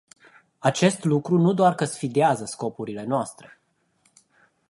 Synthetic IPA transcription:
at͡ʃe̞st̪lukɾunud̪oarkəsfid̪eazəsko̞puɾile̞noast̪ɾe̞

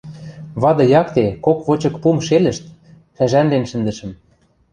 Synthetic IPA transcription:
βɑd̪ɤ̆jɑkt̪ekokβot͡ɕɤ̆kpumʃelə̆ʃt̪̚ | ʃæʒænlenʃɘ̆nd̪ə̆ʃə̆m

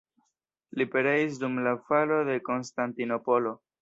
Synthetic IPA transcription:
lipeɾeis̬dumlafalo̞de̞ko̞nstantino̞po̞lo̞

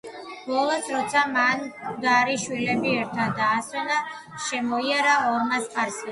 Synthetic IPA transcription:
b̥ɔlˠɔsɾɔt̪sʰamand̪aɾiʃwilɛbiɛɾt̪ʰad̪aːsɔna | ʃɛmɔiaɾaɔmasqʼaɾsi

